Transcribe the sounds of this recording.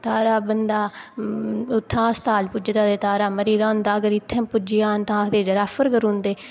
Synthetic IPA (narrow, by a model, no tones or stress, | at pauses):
t̪aːɾaːbənd̪aː | ʊt̪ʰːãːst̪aːlpʊd͡ʒt̪ãːd̪eːt̪aːɾaːməɾiːd̪aːʊnd̪aːəɡəɾɪt̪ʰːẽːpʊd͡ʒɪjaːnt̪ãːd̪eːd͡ʒəɾaːfəɾkəɾũːnd̪eː